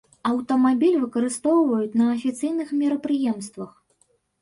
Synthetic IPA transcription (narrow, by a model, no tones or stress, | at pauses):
ɐwt̪ɐmabʲilʲvɨkɐɾɨst̪ɔwvɐjut͡sʲnɐːfʲit̪sɨjnɨxmʲɛɾɐpɾɨjɛmst̪vɐx